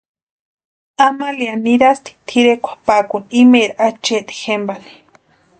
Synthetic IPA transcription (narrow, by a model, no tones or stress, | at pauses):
amalianiɾast̪i̥t̪ʰiɾekʷʰḁpakunimeɾaat͡ʃeʔt̪i̥xembani̥